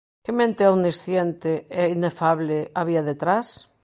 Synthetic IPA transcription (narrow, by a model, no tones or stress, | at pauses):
kemẽnt̪eawnisθjent̪eɛinefaβlɪaβiaðet̪ɾas